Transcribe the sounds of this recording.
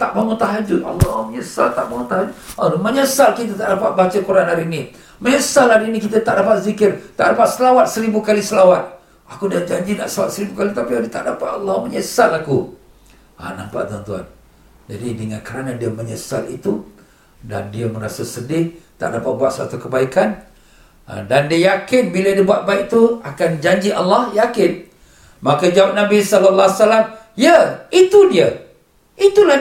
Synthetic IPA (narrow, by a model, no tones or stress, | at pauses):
t̪aʔmaŋut̪aɦad͡ʒʊt̪ɑ̰lːɔməɲəsa̰lt̪aʔmaŋut̪aɦad͡ʒʊt̪alməɲəsalkit̪̬at̪aʔdapat̪̚bat͡ʃakuɾanaɾini | məɲəsalaɾinikit̪at̪aʔdapat̪̚zikɪrt̪aʔdapat̪̚səlawat̪̚səɾibukalisəlawat̪̚ | akudiad͡ʒaɲd͡ʒina̰ʔslawat̪̚səɾibukalit̪apiodit̪aʔdapat̪ɑlːɔhməɲəsalaku | a̰nampa̰t̪ɔnt̪ua̰n | d͡ʒadidəŋankəɾanadiəməɲəsa̰lḭt̪u | da̰ndiəməɾasasədɪt̪a̰ʔdapaʔ̚buat̪̚sa̰t̪ukəbaikan | a̰dandiəjakɪnbilədibuat̪̚baik̚t̪uakand͡ʒaɲd͡ʒiʔalːɑhjakɪn | makəd͡ʒawap̚nabisɔləlːasalam | jəit̪udiə | it̪ula